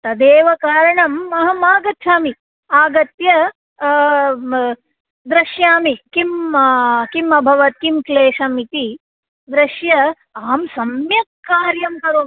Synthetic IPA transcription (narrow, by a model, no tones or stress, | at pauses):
t̪ɐd̪eːʋɐkaːɾɐɳɐmːɐɦɐmaːɡɐt̪ʰːaːmi | aːɡɐt̪jɐ | d̪ɾɐʃjaːmikim | kimɐbʱɐʋɐt̪̚kimkleːʂɐmit̪i | d̪ɾɐʃjɐ | aːmsɐmjɐkkːaːɾjɐmkɐɾoː